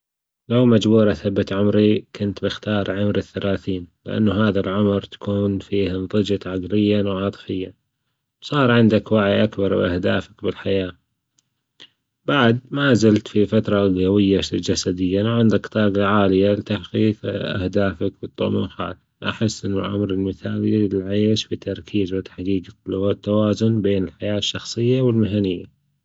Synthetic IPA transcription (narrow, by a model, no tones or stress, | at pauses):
lawmad͡ʒbuːɾˤɑθabːat̪ʕʊmɾikʊnt̪bɪxt̪ɑːɾˤʕʊmɾɪθːalaːθiːnlɪʔa̰nːaɦaːðalʕʊmɾt̪ḁkuːnfiːhɪnðˤɨd͡ʒɪt̪ʕaɡlɪjːanʕɑːt̪ˤɨ̥fɪjːa | wsˤɑːɾˤʕɪnd̪akwaʕijʔakbɑɾˤwʔa̰hd̪aːfakbɪlħajaː | baʕd̪̚mazalt̪fifat̪ɾˤɑɡawɪjːad͡ʒasad̪ɪjːawʕɪnd̪akt̪ˤɑːɡaʕaːlɪjalɪt̪aħqiːqʔa̰hd̪aːfakbɨt̪ˤːʊ̰ʔma̰xa̰ːl | ʔa̰ħɪsːʔɪnːʊʔa̰mɾɪlmɪθaːllʕajɪʃbit̪ɑɾˤkʰiːzwɪt̪ħaɡiːɡat̪ːawaːzʊnbeːnɪlħajaːʃːɑxsˤɨjːawɪlmɪɦanɪjːa